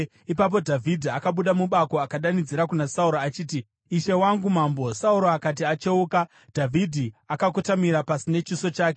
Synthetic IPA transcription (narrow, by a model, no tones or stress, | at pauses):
ipap̬o̞dʱavʱidʱiakaɓuɗamuɓako̞akaɗanid͡ziɾakunasauɾoat͡ʃiːti | iʃe̞waŋɡumaːmbo̞sauɾo̞akat̬iat͡ʃeuka | d̥ʱavʱidʱiakakutamiɾapasine̞t͡ʃiso̞t͡ʃaːk̬e̞